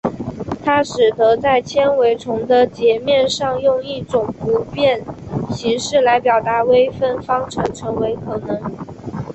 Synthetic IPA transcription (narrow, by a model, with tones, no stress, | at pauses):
t̪ʰa˥ʂɻ̩˨˩t̪ɤ˧˥t͡sa˥˩ɪt͡ɕʰjɛ˥nwe˧˥ɪʈ͡ʂʰʊ˧˥ŋd̪ə˧t͡ɕjɛ˧˥mjɛ˥˧nʂɑ˥˧ŋjʊ˥˧ŋi˥˩ʈ͡ʂʊ˨˩ŋpu˧˥pjɛ˥˩nɕi˧˥ŋʂɻ̩˥˩la˧˥ɪpjɑ˨˩ʊt̪a˧˥we˥ɪfə˥˩nfɑ˥ŋʈ͡ʂʰɤ˧˥ŋʈ͡ʂʰɤ˧˥ŋwe˧˥ɪkʰɤ˨˩nɤ˧˥ŋ